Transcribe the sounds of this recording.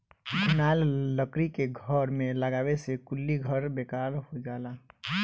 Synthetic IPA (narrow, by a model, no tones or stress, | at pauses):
ɡʱʊnaːlːəkɾikeɡʱəɾmẽləɡaːwesekʊlːiɡʱəɾbeːkaːlɦhod͡ʒaːlaː